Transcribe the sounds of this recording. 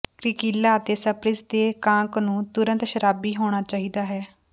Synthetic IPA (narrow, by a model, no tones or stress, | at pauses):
kɾɪkiːlaːət̪eːsəpɾɪsd̪eːkãːŋknũːt̪ʊɾə̃nt̪ʃəɾaːbiːɦoːɽ̃aːt͡ʃaːɦiːd̪aːɦɛː